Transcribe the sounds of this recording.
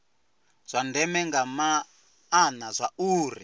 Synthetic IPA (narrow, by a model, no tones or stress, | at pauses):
z̥ʷandɛmɛŋɡamaː | nazʷauːrḭ